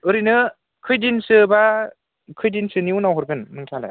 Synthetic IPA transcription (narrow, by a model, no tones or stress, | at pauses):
ɯɾinɯ | kʰɯjdinsɯba | kʰɯjdinsɯniunawɦɔɾɡɯnːɯŋtʰala̰